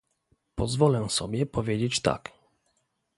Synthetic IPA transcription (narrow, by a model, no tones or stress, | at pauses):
pɔzvɔlɛsɔ̰bʲjɛpɔvʲjed͡ʑet͡ɕt̪a̰k